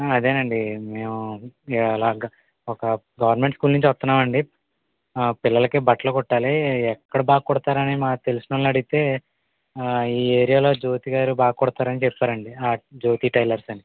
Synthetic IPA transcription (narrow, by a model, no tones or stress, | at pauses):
ɐd̪e̞ːnɐɳɖime̞ːmu | laːɡ | ɔkɐ | ɡɐʋɐɾnme̞ɳʈskuːlnunɲt͡ʃʋɐst̪unːaːmɐɳɖi | pilːɐlɐkebɐʈɐlokɔʈːaːliɛkːɐɽɐbaːkkɔɽt̪aːɾɐnimaːt̪e̞lusnɐnlɐɽiit̪e̞ː | iːe̞ːɾijaːlo̞ːd͡ʒo̞ːt̪iɡaːɾubaːkɔɽt̪aːɾɐnit͡ʃɛpːaːɾɐɳɖiaːd͡ʒo̞ːt̪iːʈɐjlɐɾsɐni